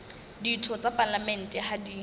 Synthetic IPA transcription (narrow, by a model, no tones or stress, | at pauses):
ditʰɔt͡sʼapʼalamɛn̩tʼɛhadi